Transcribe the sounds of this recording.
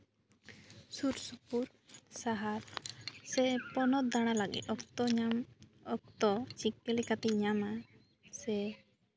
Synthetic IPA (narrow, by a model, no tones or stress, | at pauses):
suɾsupuɾ | saɦaɾsɛpɔnɔt̪̚d̪aɽ̃alaɡḭt̪ɔkt̪ɔɲamɔk̚t̪ɔt͡ʃikɛlikat̪ɛɲama | sɛ